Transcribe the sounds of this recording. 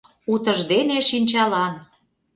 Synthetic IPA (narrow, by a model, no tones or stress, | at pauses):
ut̪əʒd̪eneʃinʲt͡ɕɑlɑn